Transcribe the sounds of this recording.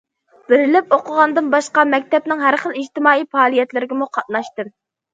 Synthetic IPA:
b̥ɪɾɪlɪp̚oqʰəʁɑnd̪ɨnbɑʃqɑmɛk̚ʲt̪ɛp̚nɪŋɦæɾχəlˠid͡ʒt̪ɪmɑːijpɑːlˠijɛt̪lɪɾɪɡʲɪmuqʰɑt̪̚nɑʃt̪ɨm

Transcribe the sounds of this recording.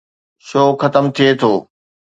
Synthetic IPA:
ʃoːxɐt̪əmt̪ʰiet̪ʰoː

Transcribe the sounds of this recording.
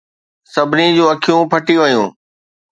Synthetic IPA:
sɐbʱɪnid͡ʑuːɐkʰijũpʰɐʈiʋɐjũː

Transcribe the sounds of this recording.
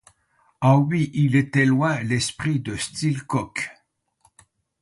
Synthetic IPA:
ɑ̃ɥiʔilet̪ɛlwɛ̃lɛspχid̪əst̪ilkɔk

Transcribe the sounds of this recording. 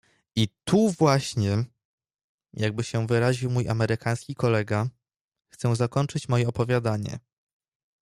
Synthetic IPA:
it̪ʰuvwaɕɲɛ | jʔaɡ̚bɘɕɛvɘɾaʑiwmujʔamɛɾɘkʰaj̃skʲikɔlɛɡa | xt̪sɛ̃zakɔnt͡ʂɘt͡ɕmɔjɛɔpɔvʲjad̪aɲɛ̰

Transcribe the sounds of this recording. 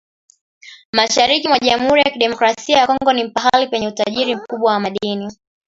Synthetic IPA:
maʃaɾikimwaʄam̩huɾijakiɗɛmɔkɾasiajakɔŋŋɡɔnim̩paɦalipɛɲɛutaʄiɾim̩kuɓwawamaɗini

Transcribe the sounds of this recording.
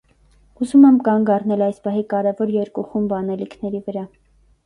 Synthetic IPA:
uzumɛmkɑŋɡɑrnɛlɑjspɑɦikɑɾɛvɔɾjɛɾkuχumbɑnɛlikʰnɛɾivəɾɑ

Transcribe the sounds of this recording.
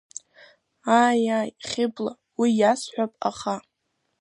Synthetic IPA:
ajajχʲɪbla | wijasħʷᶣapʼa̰χa

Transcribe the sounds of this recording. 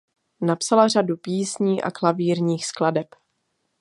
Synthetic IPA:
napsalaradupiːsɲiːʔa̰klaviːɾɲiːxskladɛp

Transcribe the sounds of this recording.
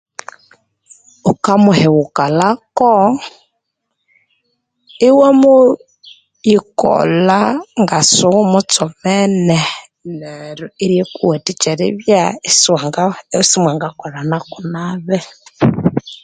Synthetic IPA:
ukamuhɛwukalakɔ | iwemu | jikɔ̰laŋɡasuwumut͡sɔmɛne | neɾuiɾjekuwetit͡ʃɛɾḭβjassimwaŋɡakɔlanakunaβɛ

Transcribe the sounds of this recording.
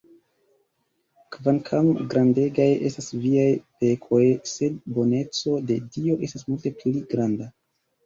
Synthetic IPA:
kvaŋkʰamɡɾʔande̞ɡaje̞̰stasviajpe̞kʰo̞jse̞d̚bo̞ne̞t͡so̞de̞dio̞ʔe̞stasmulte̞pliɡɾanda

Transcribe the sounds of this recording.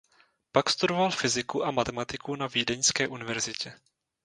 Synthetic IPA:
pakst̪udo̞valfɪzɪkuʔamat̪ɛmat̪ɪkunaviːdɛɲskɛːʔunɪvɛɾzɪcʰɛ

